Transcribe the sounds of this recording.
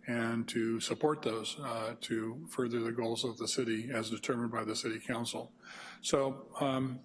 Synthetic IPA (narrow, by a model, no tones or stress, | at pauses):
ɨ̃ntʰɨsəpʰɔɹt̪̚ðoʊz̥tʰɨfɜ˞ðə˞ðɨɡoʊlˠzʌvðəsɪɾiɨzdɨtʰɜ˞mə̃nbaɪðɨsɪɾikʰãʊ̃nsl̩ˠ | soʊ